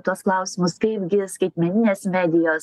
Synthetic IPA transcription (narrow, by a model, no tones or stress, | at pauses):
t̪uɔsklˠɐʊsʲɪmʊskɐɪpɡʲɪskɐɪt̪ʲmʲɛnʲɪnʲeːsmʲæːd̪ʲɪjoːs